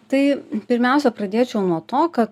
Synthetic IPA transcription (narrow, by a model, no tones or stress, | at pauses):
t̪ɐɪpʲɪɾʲmʲɛˑʊsʲɛpɾɐd̪ʲeːt͡ʃʲɛʊnuɔt̪oːkɐt̪